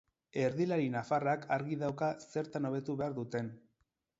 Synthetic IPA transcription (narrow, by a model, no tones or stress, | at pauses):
e̞ɾðilaɾinafarakʰaɾɣiðawkase̞ɾt̪ano̞βe̞t̪uβe̞aɾðut̪e̞n